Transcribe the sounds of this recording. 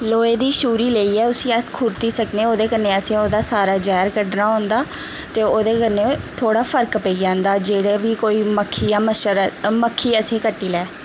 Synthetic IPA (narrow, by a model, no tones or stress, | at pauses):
loːeːd̪iːʃuːɾiːleiːɛːʊsĩːəkʰʊːɾt̪iːsəknẽːoːd̪eːkənːeːəsẽːoːd̪aːsaːɾaːd͡ʒɛːɾkəɖnaːɦõːnd̪aː | t̪eːoːd̪eːkəneːt̪ʰoːɽaːpʰəɾkpəiːd͡ʒãːnd̪aːd͡ʒeːɽeːʋiːkoːiːməkʰːiːjãːməʃəɾməkʰːiːəsẽːkəʈːiːlɛː